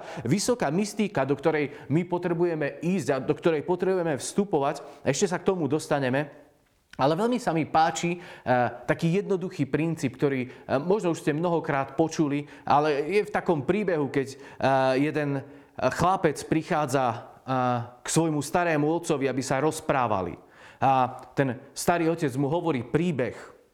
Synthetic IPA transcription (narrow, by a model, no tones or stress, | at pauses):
ʋisɔkaːmist̪ikad̪ɔkt̪ɔɾɛjmipɔt̪ɾɛbujɛmɛiːzɟad̪ɔkt̪ɔɾɛjpɔt̪ɾɛbujɛmɛfst̪upɔʋacaɛʃcɛsak̚t̪ɔmud̪ɔst̪aɲɛmɛ | alɛʋɛlmisamipaːt͡ʃi | t̪akiːjɛd̪̚nɔd̪uxiːpɾint͡siːp̚k̚t̪ɔɾiːmɔʒnɔuʃscɛmnɔɦɔkɾaːt̪pɔt͡ʃuli | ʔalɛjɛft̪akɔmpɾiːbɛɦukɛɟ | jɛd̪ɛn | xlapɛt͡spɾixaːd͡za | ksʋɔjmust̪aɾɛːmuɔt̪sɔʋiabisaɾɔspɾaːʋa̰lḭ | at̪ɛnst̪aɾiːɔcɛd͡zmuɦɔʋɔɾiːpɾiːbɛx